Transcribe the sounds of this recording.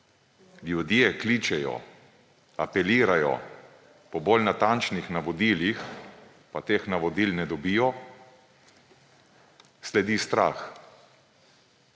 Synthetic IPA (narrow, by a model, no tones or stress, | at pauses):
ljud̪jeklit͡ʃɛjɔ̰ | apɛliːɾajɔ̰ | pɔbolnat̪ant͡ʃnixnaʋɔd̪iːlix | pat̪eːxnaʋɔd̪iːlnɛd̪ɔbijɔ | slɛd̪ist̪ɾa̰ːx